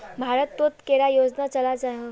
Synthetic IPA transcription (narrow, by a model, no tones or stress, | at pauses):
bʱaɾət̪ːot̪keɽajod͡znat͡səlad͡zaɦə